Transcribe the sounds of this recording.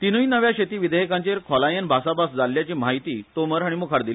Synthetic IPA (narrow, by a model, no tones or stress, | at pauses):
t̪inuinəʋjaɕet̪iːʋid̪ʱəjkãɲt͡ɕeɾkʰɔlajənbʱasabasd͡zaljat͡ɕiːmaɦit̪iːt̪oməɾɦaɽ̃imukʰaɾd̪ili